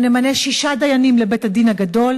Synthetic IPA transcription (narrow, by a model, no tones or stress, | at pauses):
nemaneʃiʃad̪ajanimlebethad̪inhaɡado̞l